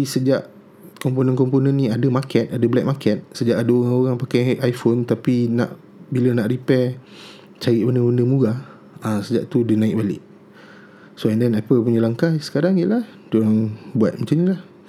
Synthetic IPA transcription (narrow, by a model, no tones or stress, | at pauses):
isəd͡ʒaʔ | kɔmponənkɔmponə̃nːĩadəmakɛt̪̚adəblɛk̚makɛt̪̚səd͡ʒaʔadəoɣaŋoɣaŋpakajajfont̪apinã̰ʔ | bilənaʔɾipɛ | t͡ʃaɾiʔ̚bəndəbundəmuɡa | asəd͡ʒa̰ʔt̪udənãɪk̚balɪ̰ʔ | soɛndɛnɛpəlp̬uɲalaŋkajsə̥kaɾaŋjəʔlah | duaŋbua̰t̪̚məɲt͡ʃaɲalah